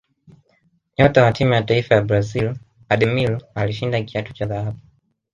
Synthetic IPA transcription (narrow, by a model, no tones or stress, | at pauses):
ɲɔtawatimujataifajabɾazil | aɗɛmilaliʃindakiatu̥t͡ʃaðahafa